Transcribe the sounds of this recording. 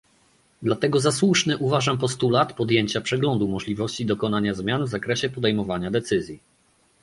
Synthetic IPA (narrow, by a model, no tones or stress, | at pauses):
d̪lat̪ɛɡɔzaswuʂnɘʔuvaʐampɔst̪ulat̪pɔd̪jeɲt͡ɕapʂɛɡlɔnd̪umɔʐlʲivɔɕt͡ɕid̪ɔkɔnaɲazmʲjanvzakɾɛɕɛpɔd̪ɛjmɔvaɲad̪ɛt̪sɘzʲji